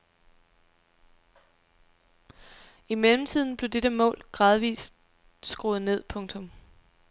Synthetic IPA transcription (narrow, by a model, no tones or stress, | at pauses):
imelm̩t͡sʰið̞̰ˠn̩b̥le̝d̥eɾ̥əmɔ̰̽ːlɡ̥ʁɑ̈ːð̞ˠʋḭːs | sɡ̥ʁoːð̩ˠne̝ð̰ˠpʰɔ̽ŋt͡sʰɔ̽m